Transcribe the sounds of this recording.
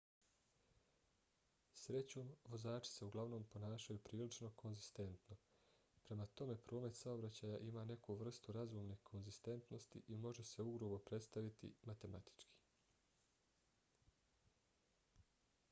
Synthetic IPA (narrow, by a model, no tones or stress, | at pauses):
sɾe̞t͡ɕo̞ːmʋo̞zaːt͡ʃi̥se̞uɡlˠaʋno̞ːmpo̞naːʃajupɾiːlit͡ʃno̞ko̞nzist̪e̞nt̪no̞ | pɾe̞mat̪o̞me̞pɾo̞ːme̞t̪saobɾat͡ɕaːjaʔimaːne̞kuʋr̩st̪uɾazuːmnekʰo̞nzist̪e̞nt̪no̞st̪ḭʔimo̞ʒe̞se̞uɡɾoʋo̞pɾe̞t̪st̪aʋit̪ḭmat̪e̞mat̪i̥t͡ʃki̥ː